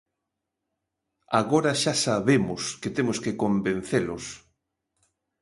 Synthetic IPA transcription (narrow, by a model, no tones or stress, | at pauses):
aɣoɾaʃasaβemʊsket̪emoskekombẽn̟θelʊs